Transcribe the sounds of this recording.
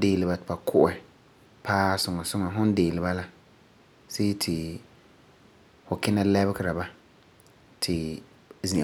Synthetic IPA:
deː˨lɪ˨ba˨tɪ˨ba˨kʰʊ˦ʔɛ˨ | pʰaː˦sʊ˨ŋa˨sʊ˦ŋa˨ɦʊ˦n˦deː˨lɪ˨ba˦la˦ | se˦tʰɪ˨ | fʊ˨kɪ˦na˦lɛ˦bɪ˦kɪ˦ɾa˨ba˦ | tʰɪ˨ | zĩ˨

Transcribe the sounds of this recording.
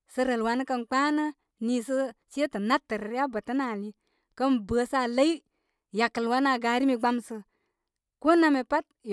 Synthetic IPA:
sə˧ɾə˨lwa˨n˦kə˧nk͡pa˦nə˦ | ni˨sə˦si˦e˦tə˨na˦tːə˨ɾə˨ɾja˦bə˨tə˦na˨li˦ | kə˦nbə˨˦sa˦˨lə˦i˦ | ja˨kə˨lwa˦na˨ɡa˨˦ɾi˦mi˨ɡ͡ba˦msə˧ | ko˦na˨me˨pa˦t̚

